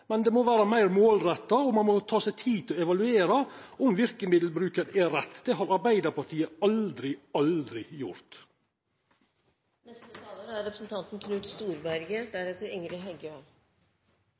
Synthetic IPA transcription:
mɛnd̪ɛmɔʋæːɾɑmæɪɾmoːlɾɛt̪ːɑɔmɑnmɔt̪ʰɑːsɛt̪ʰiːt̪ʰɪlɔɛʋɑlʉeːɾɑɔmʋɪɾkəmɪd̪l̩bɾʉːkəɾʔɛɾɛt̪ːd̪̥ɛɦɑɾɑɾbæɪd̪əɾpɑʈʰiːəɑld̪ɾɪɑld̪ɾɪjʊ̰ɾt̪ | nɛst̪ət̪ʰɑːəɾæɾːɛpɾəsn̩t̪ʰɑnt̪n̩kʰnʉːt̪st̪uːɾbæɾɡəʈ̚d̪æɾɛt̪ʰːəɾɪŋɾɪɦɛɡø

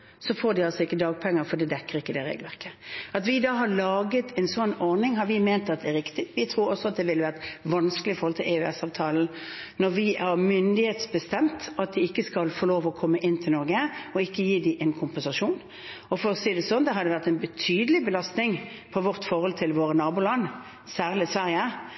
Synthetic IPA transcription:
sɔfoːd̪ɪɑlsɔɪkːəd̪ɑːɡ̚pʰɛŋːəfɔd̪ɛd̪ɛkːəɾɪkːəd̪ɛɾḛɡlʋæʁkəɑt̪ʋɪd̪ɑːɦɑlɑːɡət̪ʰɛnsɔnːɔʁnɪŋɦɑɾʋɪmeːnt̪ɑt̪d̪ɛæɾɪkt̪ɪʋɪt̪ʰɾuːɾɔsːɔɑt̪̚d̪ɛʋɪlːəʋæʁt̪ʋɑnsklɪfɔɾhɔlt̪ʰɪlɛʉɛsɑːʋt̪ʰɑːln̩nɔɾʋɪʔæɾmʏnd̪ɪheːt̪sbəst̪ɛmt̪ɑt̪̚d̪ɪɪkːəskɑlfɔɾloːʋɔkʰɔmːəʔɪnːt̪ʰɪlnɔʁɡəɔɪkːəjiːd̪ɪʔɛnkʰʊmpɛnsɑʂuːn | ɔfɔɾɔseːd̪ɛsɔnd̪ɛɦɑd̪ɛʋæʁt̪ɛɪnbət̪ʰyːd̪əlɪbəlɑst̪nɪŋ | pʰɔʋɔʁt̪fɔɾhɔlt̪ʰɪlʋoːɾənɑːbʊːlɑn | sæːʁlɪsʋæɾjə

